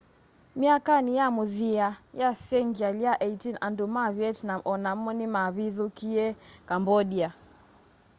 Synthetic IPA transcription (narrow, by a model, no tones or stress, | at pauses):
miakanijamuðiajasɛŋɡialiaʔɛitinʔandumaβjɛtnamʔɔnam̩ɔnimaβiðukiɛkambɔɗia